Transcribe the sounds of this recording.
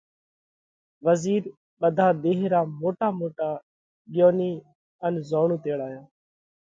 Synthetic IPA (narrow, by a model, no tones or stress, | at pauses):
ʋəziːɾ | ɓəd̪ʱaːd̪eːɦɾaːmoːʈaːmoːʈaː | ɠɪjoːniː | ənzoːɳũːt̪eːɽaːjaː